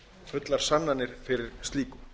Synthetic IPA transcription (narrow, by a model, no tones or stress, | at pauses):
fʏt̪laɾ̥sanːanːɪɾ̥fɪɾɪɾ̥st̪liːkʏ